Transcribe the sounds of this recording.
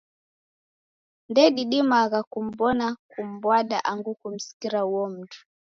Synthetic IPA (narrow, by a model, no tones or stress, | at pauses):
ndɛɗiɗimaɣakum̩bɔnakum̩bwaɗaʔaŋɡukum̩si̥kiɾauwɔm̩tu̥